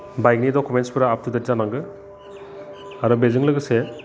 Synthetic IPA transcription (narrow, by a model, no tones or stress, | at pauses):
bajk̚nidɔkumenspʰɯɾaːp̚tʰudɯɾzanaŋɡɯ | aɾɔbezɯŋlɯɡɯse